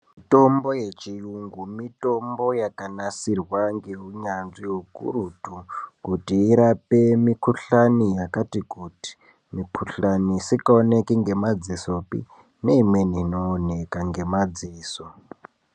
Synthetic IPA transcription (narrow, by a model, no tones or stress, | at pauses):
mmito̞mbo̞jet͡ʃijuŋɡumito̞mbo̞jakanasirwaŋɡeɦuɲanzijokṵrutukutiːɾapemikuɬanijakatikuti̥ | mikuɬanisikaonekiŋɡe̞mad͡ziso̞pḭ | ne̞imwe̞nino̞ːne̞kaŋɡe̞mad͡ziːso